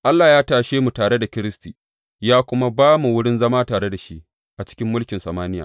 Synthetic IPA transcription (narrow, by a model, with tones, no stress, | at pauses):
ʔa˦lːaː˨jaː˦taː˨ʃeː˦mu˨taː˨ɽe˦da˨kʲɪ˦ɾɪ˦stiː˨ | jaː˦kʷʊ˦ma˦baː˦mu˨wʊ˦ɽɪ˦nzɐ˦maː˦taː˨ɽe˦da˨ʃi˦ʔ | ʔa˨t͡ʃɪ̥˦kʲɪ˦mːʊ˦lkʲɪ˨nsɐ˨maː˦nɪ˦ja̰ː˨